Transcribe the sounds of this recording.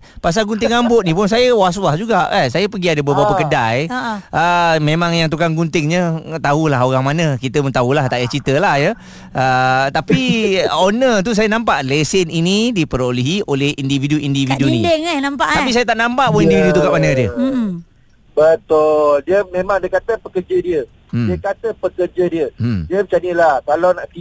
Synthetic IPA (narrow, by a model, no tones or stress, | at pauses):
pas̬alɡunt̪ɪŋambʊt̪ʔ̚nĩpʊns̬ajəwas̬wasd͡ʒuɡaʔasajəpəɡiadəbəbapakədajʔəmẽmãŋjaŋt̪̬ukaŋɡunt̪ɪŋɲət̪aɦulaɦoɾaŋmanə̃kit̪əmənt̪aulaht̪aʔjat͡ʃit̪əlahjə | ət̪apionət̪us̬ajənãmpaʔlesəninidipəɾoliɦiʔolehindividuʔindiidunĩŋanampaʔt̪apis̬ajat̪aʔnãmpaʔpindividut̪ukaʔmanədiə | bət̪ʊldiəmẽmãŋdəkat̪əpəkəd͡ʒədiə | diəkat̪əpəkərd͡ʒədiədiəbət͡ʃanilahkalawnaʔki